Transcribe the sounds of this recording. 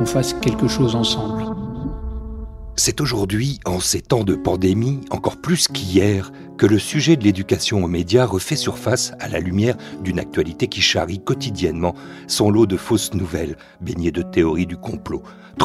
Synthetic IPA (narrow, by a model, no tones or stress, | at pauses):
ɔ̃faskʲɛlkəʃozɑ̃sɑ̃bl | sɛt̪oʒuʁd̪ɥiɑ̃set̪ɑ̃d̪əpɑ̃d̪emiɑ̃kɔʁplyskʲʰijɛʁ | kələsyʒɛd̪əled̪ykasjɔ̃omed̪jaʁəfɛsyʁfasala̰lymjɛʁd̪yna̰k̚t̪ɥalit̪ekʲiʃa̰ʁikɔt̪id̪jɛnmɑ̃sɔ̃lod̪əfosnuvɛl | beɲed̪ət̪eɔʁid̪ykɔ̃plo | t̪